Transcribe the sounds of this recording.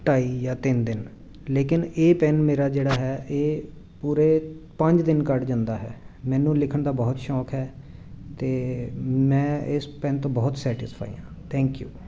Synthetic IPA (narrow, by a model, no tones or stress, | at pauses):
ʈaːiːjaːt̪ɪnd̪ɪn | leːkɪneːpɛːnmeːɾaːd͡ʒeːɽaːɦɛːeː | puːɾeːpəɲd͡ʒd̪ɪnkəʈd͡ʒãːnd̪aːɦɛ̰ːmɛ̃ːnũːlɪkʰəɳd̪aːbɔːt̪ʃɔːkɦɛː | t̪eːmɛ̃ːɪspɛ̃ːnt̪õːbɔːt̪sɛːʈɪspʰa̰ːḭːãːt̪ʰɛ̃ːŋkjṵː